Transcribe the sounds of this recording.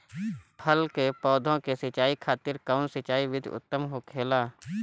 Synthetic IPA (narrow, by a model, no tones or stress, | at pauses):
pʰəlkepɔːd̪ʱõkesɪt͡ʃaːikʰaːt̪ɪɾkaʊnsɪt͡ʃaːiʋɪd̪ʱʊ̰t̪ːəmɦokʰeːlaː